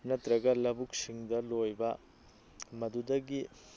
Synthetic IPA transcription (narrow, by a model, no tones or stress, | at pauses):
nɐt̪ɾɐɡɐlɐbuk̚siŋdɐlojbɐ | mɐd̪udɐɡi